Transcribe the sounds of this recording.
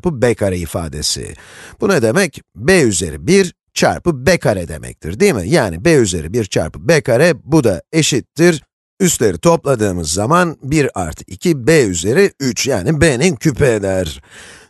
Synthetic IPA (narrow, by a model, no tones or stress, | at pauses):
pɯbekʰaɾaifa̰ːd̪e̞̰sḭb̥unad̪e̞mɛcbeyze̞̰ɾibiɾ | t͡ʃʰa̰ɾpɯbekʰaɾɛd̪e̞̰mʔɛ̰c̚t̪ʰḭɾd̪iːmḭjaːnibeyze̞̰ɾibiɾt͡ʃʰa̰ɾpɯ̥bekaɾɛbud̪ae̞ʃit̪ʰːiɾ | yst̪lʲe̞ɾit̪ʰo̞plˠad̪ɯːmɯzːamanbiɾa̰ɾt̪ʰɯ̥kicʰibeyze̞ɾiyt͡ʃjaːnibenincʰypʰed̪ʲæɾ̥